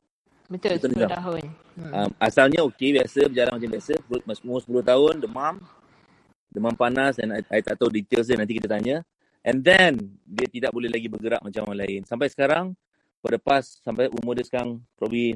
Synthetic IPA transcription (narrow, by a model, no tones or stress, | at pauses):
mt̪t̪unud͡ʒa | amasalɲaokebiasəbəd͡ʒala̰nmat͡ʃambiasəmsmospulʊht̪aɦʊndəmãm | dəmãmpanasɛnajt̪aʔt̪awdit̪els̬ənant̪ikit̪ət̪aɲə | ʔɛ̃nd̪ɛndiət̪idaʔ̚bolɛhlaɡibəɡəɾa̰ʔmat͡ʃamwanlaɪnsampajsə̥kaɾaŋ | padəpasːampajʔumodəskanpɾɔbli